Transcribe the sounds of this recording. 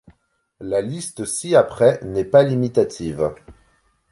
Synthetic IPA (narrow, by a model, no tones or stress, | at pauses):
lalist̪siapχɛnɛpalimit̪at̪ʰiv